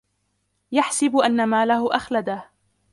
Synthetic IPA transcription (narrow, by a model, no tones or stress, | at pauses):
jaħsɪbʔanːamaːlahʊʔaxlad̪ah